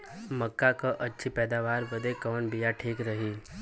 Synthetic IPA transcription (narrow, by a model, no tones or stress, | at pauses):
mɐkːakaʔɐtːʃʰipɛːd̪aʋaːɾbəd̪ekɔːnbijaʈʰiːkɾəɦiː